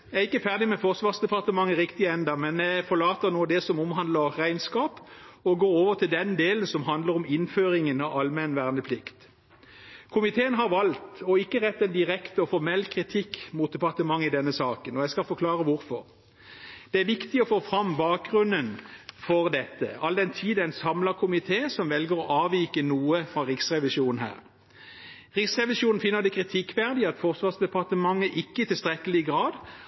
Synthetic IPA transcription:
jææɪkːəfæʁd̪ɪmɛfɔʁsʋɑːʁsd̪ɛpɑʁt̪əmɑŋːəʁɪkt̪ɪəɛnd̪əmɛnæɪfɔʁlɑːt̪ənuːəd̪ɛsɔmɔmɦɑnd̪ləʁʁæɪnskɑːpɔɡoːɾoːʋəʁt̪ʰɪld̪ɛnd̪eːlənsɔmɦɑnd̪ləɾɔmɪnføːɾɪŋənɑɑlmɛnʋæːʁnəpʰlɪkt̪ | kʰʊmɪt̪ʰeːənɦɑʁʋɑlt̪ɔɪkːəʁɛt̪ːɛnd̪ɪʁɛkt̪əɔfɔʁmɛlːkʰʁɪt̪ʰɪkːmuːt̪̚d̪ɛpɑʁt̪əmɑŋːɪd̪ɛnːəsɑːkənɔjæskɑfɔkʰlɑːʁəʋʊɾfɔʁ | d̪̥ɛæʁʋɪkt̪ɪɔfoːfʁɑmbɑːk̚ɡʁʉnːənfɔʁd̪ɛt̪ːə̰ɑld̪ɛnt̪ʰiːd̪æɪnsɑmləkʰʊmɪt̪ʰeːsɔmʋɛlɡəʁɔʔɑːʋiːkənuːəfʁɑʁɪksʁɛʋɪʃuːnn̩ɦæ̰ːʁ | ʁɪksʁɛʋɪʂuːnn̩fɪnːəʁd̪ɛkʰʁɪt̪ʰɪkːʋæʁd̪ɪɑt̪fɔʁsʋɑːʁsd̪ɛpɑʁt̪əmɑŋːəʔɪkːəɪt̪ɪlst̪ʁɛkəlɪɡʁɑːd̪

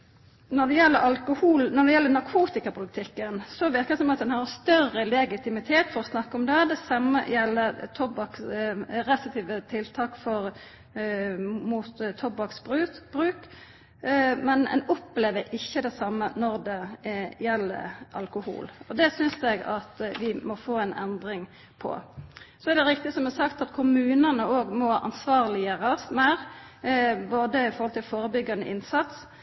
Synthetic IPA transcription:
nɔd̪ɛjɛlːəɾɑlkʊhuːlnɔd̪ɛjɛlːənɑɾkʰuːt̪ɪkɑpʰʊlɪt̪ʰɪkːənsɔʋɪɾkəd̪ɛsɔmɑt̪̚d̪ɛnhɑɾst̪œrəlɛɡɪt̪ɪmɪt̪ʰeːt̪fɔɾɔsnɑkːəɔmd̪ɛd̪ɛsɑmːə̰jɛlːəɾt̪ʰɔbɑksɾɛst̪t̪iːʋət̪ʰɪlt̪ʰɑːkfɔɾ | muːt̪t̪ʰːɔbɑksbʁʉːbɾʉːk | mɛnɛ̰nɔpleːʋəɾɪçːəd̪ɛsɑmːənɔʁd̪ɛjɛlːə̰ʔɑlkʊhṵːlɔd̪ɛsʏnsɛɡɑ̰t̪ʋɪmɔfoːɛnʔɛ̰nd̪ɾɪŋ | pʰɔ̰sɔɛd̪ɛɾɪk̚t̪ɪsɔmɛsɑkt̪ɑt̪kʰʊmʉːnənəoːɡmɔʔɑ̰nsʋɑːʁlɪəɾəsmæɾ | boːd̪əɪfɔɾhɔlt̪ɪlfoːɾəbʏɡːɑnə̰ʔɪnsɑt̪s

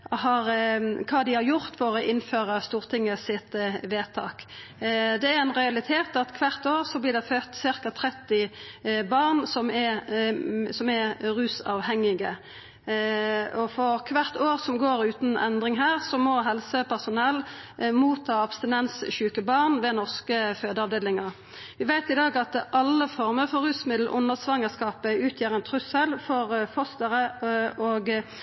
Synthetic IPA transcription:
hɑɾkʰɑːd̪ɪhɑɾjʊʁt̪fɔʁɔʔɪnføːɾəst̪uːʁt̪ʰɪŋːəsɪt̪ʋeːt̪ʰɑ̰ːk | d̪ɛæɾɛnʁɛɑlɪt̪ʰeːt̪ɑt̪kʰʋæʁt̪oːʁsɔblɪd̪ɛføːt̪sɪɾkɑt̪ʰɾɛt̪ːɪbɑʁnsɔmɛ | sɔmɛɾʉːsɑʋhɛŋːɪɡə | ɔfɔʁkʰʋæʁt̪oːʁsɔmɡoːɾʉːt̪n̩ɛ̰nd̪ʁɪŋɦæːʁsɔmɔɦɛlsəpʰæʁsʊnɛlmuːt̪ʰːɑːɑpst̪ɪnɛnsɕʉːkəbɑʁnʋɛnɔʁskəføːd̪əɑʋd̪eːlɪŋɑʁ | ʋɪʋæɪt̪ɪd̪ɑːɡɑt̪ʔɑlːəfɔʁməʁfɔʁʉːsmɪd̪l̩ʔʊ̰nːəʁsʋɑŋːəskɑːpəʉːt̪ʰjæːʁɛnt̪ʰʁʉsəlfɔʁfɔst̪əʁəoːɡ

